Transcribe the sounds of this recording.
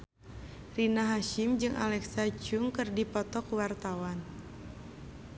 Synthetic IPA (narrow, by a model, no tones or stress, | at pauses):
rinaɦaʃɪmd͡ʒɨŋʔa̰lɛksat͡ʃʊŋkɨrdipɔt̪ɔkwart̪awan